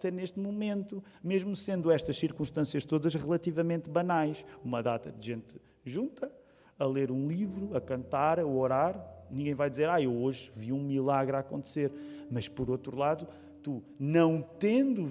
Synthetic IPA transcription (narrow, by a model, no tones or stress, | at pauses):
seɾneʃt̪mumẽnt̪u | meʒmusẽnd̪uɛʃt̪ɐʃsiɾkũʃt̪ɐ̃siɐʃt̪oðɐʃʁɨlˠɐt̪ivɐmẽnt̪βɐnajʃumɐðat̪ɐd̪ʒẽnt̪ | ʒũnt̪ɐ | ɐlˠeɾũlˠivɾuɐkɐ̃nt̪aɾɐɔɾaɾnĩŋɡɐ̃j̃vajd̪izeɾaewoʒviũmilˠaɣɾakõnt̪seɾmɐʃpɔɾot̪ɾulˠaðu | t̪u | nɐ̃w̃t̪ẽnd̪u